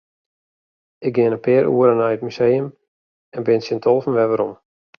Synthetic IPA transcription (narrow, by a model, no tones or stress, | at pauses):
ɪɡ̚ɡɪənəpɪːɾṵəɾənajət̚mysejəm | ɛnbɪnsɪntʰɔlˠvənʋɛʋəɾɔm